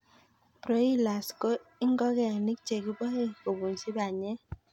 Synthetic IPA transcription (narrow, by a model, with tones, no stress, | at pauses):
pɾo˦i˦la˨sko˦ɪ˦ŋɡɔ˦kɛ˦a˨ni˦k̚t͡ʃe˨ki˦bɔ˦e˦ko˨bu˨nsi˦ba˨ɲɛ˦